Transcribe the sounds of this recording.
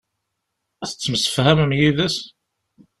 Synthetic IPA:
æθə̥t͡sːməsə̥fhæməmjiðæs

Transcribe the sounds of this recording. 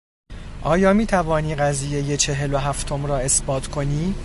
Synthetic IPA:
ʔɒːjɒːmiːt̪ʰævɒːniːɢæziːje̞jet͡ʃʰe̞ɦe̞loɦæft̪ʰo̞mɾɒːe̞sb̥ɒːt̪ʰkʰo̞niː

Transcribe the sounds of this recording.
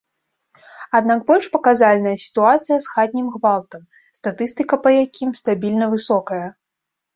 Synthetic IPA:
ad̪nakbɔlʲʂpɐkazalʲnɐjɐsʲi̥t̪uat̪sɨjɐsxad̪̚ʲnʲimɣvalˠt̪ɐm | st̪at̪ɨst̪ɨkɐpɐjakʲʰimst̪abʲilʲnɐvɨsɔkɐjɐ

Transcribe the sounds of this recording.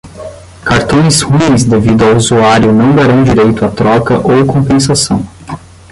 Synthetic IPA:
kaɾt̪õj̃shuĩzd̪evid̪ʊawuzuaɾjʊnɐ̃w̃d̪aɾɐ̃w̃d͡ʒiɾejt̪ʊat̪ɾɔkɐʔowkõpẽs̬asɐ̃w̃

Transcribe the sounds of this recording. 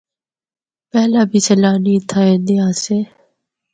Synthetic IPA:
pɛɦlaːbʱiːseːlaːniːt̪ʰaːeːɗ̪ɪjãːseː

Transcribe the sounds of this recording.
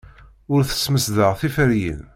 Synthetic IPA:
ʊɾθə̥sməsðəʁθifəɾjə̰n

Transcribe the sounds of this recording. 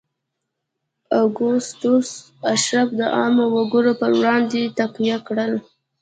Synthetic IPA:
aɡʊst̪os | aʃɾabd̪əʔɑmowaɡuɾopəɾwɽɑnd̪et̪aqwijakɽəl

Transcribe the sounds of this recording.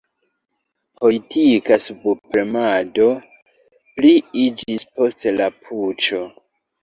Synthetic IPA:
po̞litʰikasubpɾemado̞ | pliid͡ʒispo̞stlapʰut͡ʃo̞

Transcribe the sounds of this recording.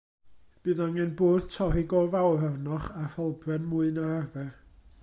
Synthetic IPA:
b̥ɨːðaŋɛnboːð̥tʰɔɾɪɡɔvawrɛrnɔχahɔlˠbrɛnmʊɨnaarvɛr

